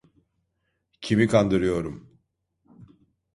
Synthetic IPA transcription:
cʰimikʰand̪ɯɾɯjo̞ɾum

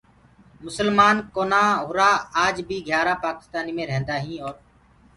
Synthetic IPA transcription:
mʊsəlmaːnkoːnãːɦʊɾaːaːd͡ʒbʱiːɡʱjaːɾaːpaːkɪ̥st̪aːniːmẽːɾẽːnd̪aːɦĩːoːɾ

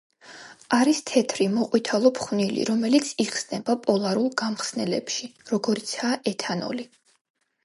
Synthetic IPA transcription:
aɾist̪ʰɛt̪ʰɾimɔqʼwit̪ʰalˠɔpʰχnilḭɾɔmɛlit̪sʰiχsnɛbapʼɔlˠaɾulˠɡamχsnɛlɛ̰pʃiɾɔɡɔɾit̪sʰaːʔɛt̪ʰanɔ̰li

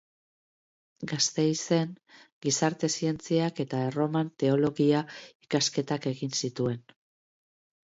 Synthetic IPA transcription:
ɡast̪e̞jse̞ŋɡisaɾt̪e̞sie̞nt͡siake̞t̪aero̞mant̪e̞o̞lo̞ɣiaikaske̞t̪ake̞ɣinsit̪ue̞n

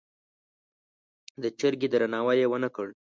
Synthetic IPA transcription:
d̪ət͡ʃəɾɡid̪ɾanɑwajewənakəɽ

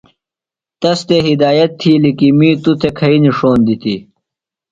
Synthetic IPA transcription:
t̪ɐst̪eɦid̪aːjɐt̪ʰːiːlikimiːt̪ut̪ʰekʰɐiniʂoːnd̪it̪i

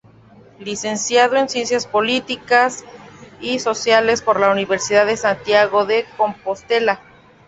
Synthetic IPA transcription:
lise̞nsjað̞oe̞nsje̞nsjaspo̞lit̪ikasiso̞sjale̞spo̞ɾlauniβe̞ɾsiðaðesant̪jaɣo̞ðe̞ko̞mpost̪e̞la

